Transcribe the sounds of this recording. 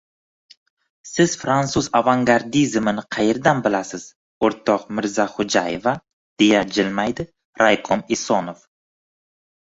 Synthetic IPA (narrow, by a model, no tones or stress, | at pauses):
sɪz̥fɾant̪suzavaŋɡaɾd̪izmɪnɪqʰɑjeɾd̪anbɪlasɪz̥ | oɾt̪ʰɒqmɪɾzaχʊd͡ʒajeva | d̪̥e̞jad͡ʒɪlmajd̪ɪ | ɾajqʰomɪsonof